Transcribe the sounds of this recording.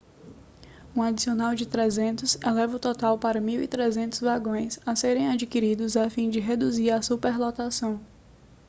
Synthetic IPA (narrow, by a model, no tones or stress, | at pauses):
ũad͡ʒisionawd͡ʒɪt̪ɾezẽnt̪ʊsɛlɛvɐʊt̪ɔt̪awpaɾɐmiwit̪ɾezẽnt̪ʊzvaɡõj̃saseɾẽj̃ad͡ʒikiɾid̪ʊzafĩd͡ʒɪɦed̪uziɾasupeɾlɔt̪asɐ̃w̃